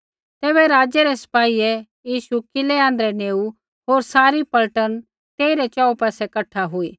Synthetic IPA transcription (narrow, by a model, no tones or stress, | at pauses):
t̪eːβɛɾaːd͡ʒɛɾɛsɐ̥paːiɛ | jiːʃukɪlɛãːnd̪ɾɛneːu | ɦoːɾsaːɾipɐlʈən | t̪eːiɾɛt͡ʃaːupɛːsɛkɐʈʰaɦʊiː